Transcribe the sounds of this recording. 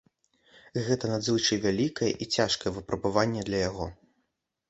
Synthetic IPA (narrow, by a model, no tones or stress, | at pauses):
ɣɛt̪ɐnad͡z̪ʲɨlˠt͡ʂɨvʲalʲikɐjɛ̰ʔit͡sʲaʂkɐjɛvɨpɾɐbɨvanʲːɛd̪lʲɐjaɣɔ